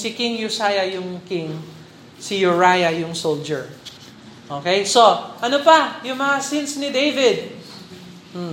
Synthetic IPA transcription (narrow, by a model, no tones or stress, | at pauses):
sɪkɪŋjʊsajɐjʊŋkɪŋ | sijʊɹajɐjʊŋsold͡ʒɛɹ | ʔokɛjsoʔɐnopajʊŋmɐŋasɪnsnɪd̪ejvɪd̪̚